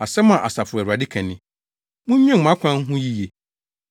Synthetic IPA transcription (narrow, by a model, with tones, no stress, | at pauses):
a˨sɛ˦mã˨ʔa˨sa˨fʊ˨ɛ˨ɾu˨a˨dɪ˦kʰɛ̃˨nɪ̃˦ | mũ˦ĩ˦˨m˨ã˦kʷʰã˦ŋ̩˦ɦʊ̃˦ji˦je˨